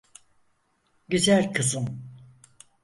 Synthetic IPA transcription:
ɟyzælʲkʰɯzɯm

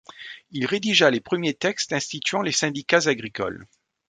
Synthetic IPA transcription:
ilʁed̪iʒalepχəmjet̪ɛkst̪ɛ̃st̪it̪ɥɑ̃lesɛ̃d̪ikazaɡʁikɔ̰l

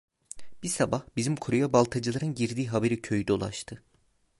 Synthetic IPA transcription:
b̥isabahbizimkʰoɾujabalˠt̪ʰad͡ʒɯlˠaɾɯnɟiɾd̪iːɦabe̞ɾicʰøjyd̪olˠa̰ʃt̪ʰɯ

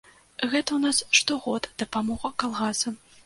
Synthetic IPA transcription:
ɣɛt̪ɐwnasʂt̪ɔɣɔd̪d̪̥ɐpamɔɣɐkalˠɣasɐ

